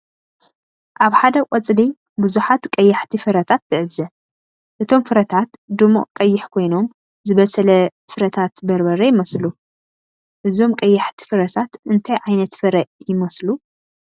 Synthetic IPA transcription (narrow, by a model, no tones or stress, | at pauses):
ʔaβħad̪ɐkʷʼɐt͡sʼli | buzuħat̪kʼɐjːɐħt̪ʰifɨɾɐt̪ʰat̪ːɨʕɨzɐ | ʔɨt̪ʰo̞mfɨɾɐt̪ʰat̪d̪ɨmo̰ʔkʼɐjːɪħkʰo̞jno̞m | zɨβɐsɐlɐ | fɨɾɐt̪ʰat̪bɐɾbɐɾɐjɪmɐslu | ʔɨzo̞mkʼɐjːɐħt̪ʰi̥fɨɾɐt̪ʰat̪ɨnt̪ʰajʕajnɐt̪fɨɾɐjɪmɐslu